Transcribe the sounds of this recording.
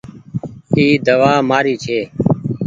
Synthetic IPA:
iːd̪əʋaːmaːɾiːt͡ʃʰeː

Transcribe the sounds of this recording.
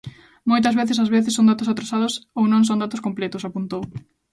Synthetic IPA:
mojt̪̬ɐzβeθes̬azβeθeɪsːõnd̪at̪ʊs̬at̪ɾosaðʊsownõŋs̬õnd̪at̪ʊskomplɛt̪ʊsapunt̪ow

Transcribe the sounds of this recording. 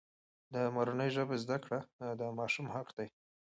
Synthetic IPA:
d̪əmaɾunəjʒəbezd̪akɽad̪əmɑʃumhaqd̪aj

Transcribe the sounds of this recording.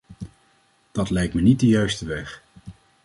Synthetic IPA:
d̥ɑtlɛjk̚tmənit̚dəjœɥstəʋɛχ

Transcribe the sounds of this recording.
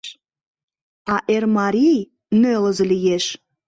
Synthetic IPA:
ɑʔermɑɾʲij | nølə̆zə̆lijeʃ

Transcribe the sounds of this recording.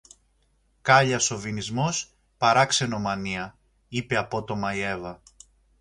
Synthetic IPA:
kɐʎɐso̞vinizmo̞s | pɐɾɐkse̞no̞mɐniɐ | ipe̞ɐpo̞t̪o̞mɐie̞vɐ

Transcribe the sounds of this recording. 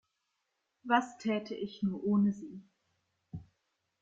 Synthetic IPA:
vastʰɛːtʰəʔɪçnuːɐʔoːnəziː

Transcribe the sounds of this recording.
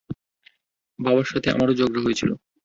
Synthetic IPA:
babaɾʃat̪ʰeʔa̰maɾod͡ʑoɡɾoɦoet͡ɕʰilo̰

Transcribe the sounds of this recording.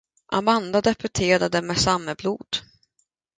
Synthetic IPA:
ʔa̰mand̪ad̪ɛpɵʈʰeːɾad̪əmɛsamːəbluːd̪̥

